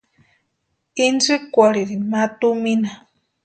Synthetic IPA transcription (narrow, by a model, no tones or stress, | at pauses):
inzikʷaɾiɾinmat̪umina